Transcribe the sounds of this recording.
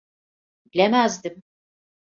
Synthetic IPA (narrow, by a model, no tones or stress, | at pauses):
bilʲemæzd̪im